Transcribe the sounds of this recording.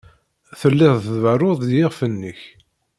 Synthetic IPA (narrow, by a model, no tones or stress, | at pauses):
θəlːɪðˤθðvəroðˤjɪʁfənːəç